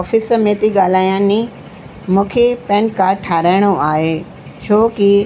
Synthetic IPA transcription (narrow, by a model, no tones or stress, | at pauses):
ɔːfɪsəmẽːt̪iɠaːl̤aːjãnĩ | mũːkʰepɛ̃ːnkaːɾʈʰaːɾaːɪɽ̃oʔaːɦe | t͡ɕʰoːki